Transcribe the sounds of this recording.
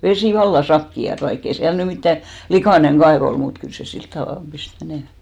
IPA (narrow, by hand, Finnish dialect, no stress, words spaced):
ʋesiˑ ʋɑlːɑ sɑkːiɑt ʋɑikː ei siæl ny mitːæ likɑˑneŋ kɑeʋ ol mut kyl se silt tɑʋɑˑlp pist meneˑmæ